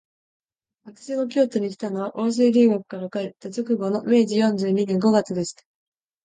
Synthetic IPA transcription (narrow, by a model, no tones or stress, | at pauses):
βak̪ɯ̥ɕino̞k̬ʲo̞ːt̪oɲ̟ikʲi̥t̪ano̞β̞aʔo̞ːs̬eːɾʲiːɡakɯ̟̥kaɾakae̞t̪ːat͡ɕokɯ̟ɡo̞no̞me̞ːʑijõ̞ɲ̟d͡ʑɨːɲ̟inẽ̞ŋɡo̞ɡat͡sɨd̪e̞ɕi̥t̪ḁ